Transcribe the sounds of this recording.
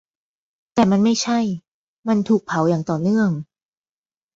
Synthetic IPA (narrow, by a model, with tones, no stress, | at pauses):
t̪ɛː˨˩ma˧nma˥˩jt͡ɕʰa˥˩j | ma˧nt̪ʰuː˨˩k̚pʰa˩˦wjaː˨˩ŋt̪ɔː˨˩nɯ˥˩əŋ